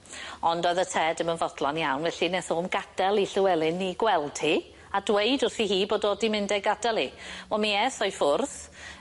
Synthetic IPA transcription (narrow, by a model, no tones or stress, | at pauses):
ɔndɔðətʰɛdəmənvɔd̥lˠɔnjawnvɛɬinɛθoːmɡad̥ɛlˠiɬɪwɛlˠɨnːiɡwɛlˠd̥hi | adwejdʊrθiɦiːboːdɔdimɪndɛɡad̥ɛlˠivɔmiɛθɔjfʊrθ